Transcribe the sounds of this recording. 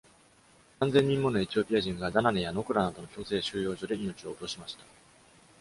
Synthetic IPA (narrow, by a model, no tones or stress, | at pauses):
kãnd͡zeɲ̟ːĩmːo̞no̞e̞t͡ɕio̞pʲiaʑĩŋɡad̪ananejano̞kɯ̟ɾanad̪o̞no̞çʲo̞ːse̞ːɕɨːjo̞ːʑo̞d̪e̞ino̞t͡ɕio̞ːt̪o̞ɕimaɕi̥t̪ḁ